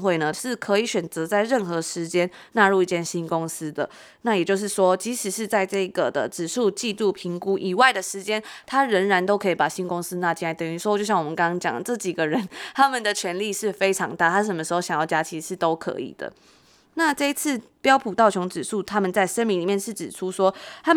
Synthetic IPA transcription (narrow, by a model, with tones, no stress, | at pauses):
xwe˥˩ɪnə˩ʂɻ̩˥˩kʰɤ˧˥i˧˦ɕɥɛ˨˩nt͡sɤ˧˥t͡sa˥˧ɪɻə˥˩nxɤ˧˦ʂɻ̩˧˥t͡ɕjɛ˥n | na˥˧ɻu˥˧i˥˩t͡ɕjɛ˥˩nɕi˥nkʊ˥ŋs̩˥d̪ə˨ | na˥˩jɛ˨˩t͡ɕjo˥˧ʊʂ̬ɻ̩˥˩ʂwɔ˥˦t͡ɕi˧˥ʂɻ̩˨˩ʂɻ̩˥˧t͡sa˥˧ɪʈ͡ʂɤ˥˩i˧˦ɡə˩d̪ə̰˨ʈ͡ʂɻ̩˨˩ʂu˥˧t͡ɕi˥˧t̪u˥˩pʰi˧˥ŋku˦ʔi˨˩wa˥˩ɪd̪ə˩ʂɻ̩˧˥t͡ɕjɛ˥nt̪ʰa˥ɻə˧˥ŋɻa˧˥nt̪o˥ʊkʰɤ˧˥i˨˩pa˨˩ɕi˥nkʊ˥ŋs̩˥na˥˧˩t͡ɕi˥˩na˧˥ɪt̪ə˨˩ŋy˧˥ʂwt͡ɕjo˥˧ɕɑ˥˩ŋwmə˦nkɑ˥ɑ˥ŋt͡ɕjɑ̰˨˩ŋlə˩ʈ͡ʂɤ˥˩t͡ɕi˨˩ɡə˨ɻə˧˦nt̪ʰa˥mə˨nd̪ə˩t͡ɕʰɥɛ˧˥nli˥˧ʂɻ̩˥˩fe˥ɪʈ͡ʂʰɑ˧˥ŋt̪a˥˩t̪ʰa˥ʂ̬ə˨˩mə˦ʂɻ̩˧˥xo˥˩ʊɕjɑ˨ŋjɑ˥˩ʊt͡ɕja˥t͡ɕʰi˧˥˩ʂɻ̩˥˩t̪o˥ʊkʰɤ̰˧˦ḭ˨˩d̪̥ə̰˩ | na˥˧ʈ͡ʂɤ˥˧i˧˦t͡s̩ʰ˥˩ | pjɑ˥ʊpʰu˨˩t̪ɑ˥˩ʊt͡ɕʰjɔ˧˥ŋʈ͡ʂɻ̩˨˩ʂu˥˩t̪ʰa˥mə˨nt͡sa˥˩ɪʂə˥nmi˧ŋli˨˩mjɛ˥˨nʂ̩˥˩ʈ͡ʂɻ̩˨˩ʈ͡ʂʰu˥ʂwɔ˥t̪ʰa˥